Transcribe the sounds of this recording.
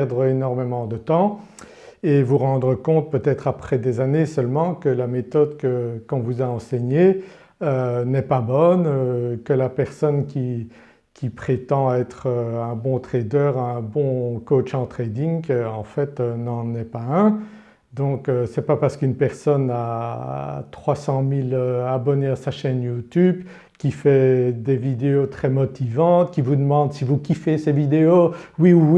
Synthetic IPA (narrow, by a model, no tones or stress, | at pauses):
ʁd̪ʁəenɔʁmemɑ̃d̪ət̪ɑ̃ | evuʁɑ̃d̪ʁəkɔ̃t̪̚pøt̪ɛt̪χapχɛd̪ezanesœlmɑ̃kəlamet̪ɔd̪kəkɔ̃vuzaɑ̃sɛɲe | ønɛpabɔnøkəlapɛʁsɔnkʲi | kʲipχet̪ɑ̃ɛt̪χøɛ̃bɔ̃t̪χɛd̪œːʁɛ̃bɔ̃kot͡ʃɑ̃t̪χed̪iŋkəɑ̃fɛt̪ønɑ̃nɛpaɛ̃ | d̪ɔ̃køsɛpapaʁsə̥kynpɛʁsɔna | t̪χwasɑ̃miløabɔneasaʃɛnjut̪yb | kʲifɛd̪evid̪eot̪χɛmɔt̪ivɑ̃t̪kʲivud̪əmɑ̃d̪sivukʲifesevid̪eowiuwi